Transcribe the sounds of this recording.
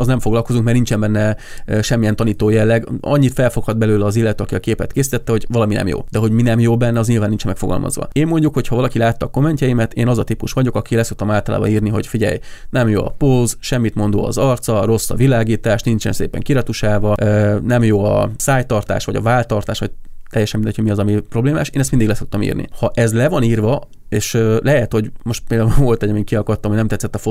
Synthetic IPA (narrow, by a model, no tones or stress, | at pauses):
ɒznɛmfo̞ɡlɒlko̞zuŋkmɛrnint͡ʃɛmbɛnːɛ | øʃɛmːijɛnt̪ɒniːt̪oːjɛlːɛɡɒ̰ɲːit̪fɛlfo̞khɒd̪bɛløːlɛːzilːɛt̪øːɒkiɒkeːpɛt̪keːsit̪ɛt̪ːɛho̞ɟvɒlɒminɛ̰mjo̰ːd̪̥ɛɦo̞ɟminɛmjoːbɛnːɛɒzɲilvaːnːint͡ʃɛmɛkfo̞ɡɒ̰lmɒ̰zʋɒ̰eːmmo̞ɲɟukho̞chɒvɒlɒkilaːt̪ːɒːko̞mːɛɲcɛjimɛt̪eːnɒzɒt̪ipuʃʋɒɟo̞kɒkilɛsok̚t̪ɒmaːlt̪ɒla̰ːbɒ̰niːrniɦo̞̰ɟfiɟɛ̰jnɛmjo̰ːɒ̰polzʃɛmːit̪mo̞nd̪o̰ːɒ̰zɒrt̪sɒro̞sːɒ̰vilaːɡiːt̪aːʃt̪nint͡ʃɛ̰nsḛːpɛ̰ŋkiɾɒt̪uʃaːvɒønɛmjoːɒ̰saːjt̪ɒrt̪a̰ːʃʋɒɟɒ̰vaːlt̪ɒrt̪aːʃʋɒ̰t̪ɛjːɛʃɛmind̪ɛcʰoɟmiɒzɒmipro̞bleːma̰ːʃeːnɛst̪mind̪iɡlɛso̞k̚t̪ɒmḭːrnḭhɒʔɛzlɛvɒniːrvɒ | eːʃøːlʔɛɦɛt̪ho̞ɟmo̞ʃt̪peld̪auɱvo̞lt̪ɛɟɒmiŋkiɒkɒt̪ːɒmoɟnɛmt̪ɛt̪sːɛt̪ːɒfo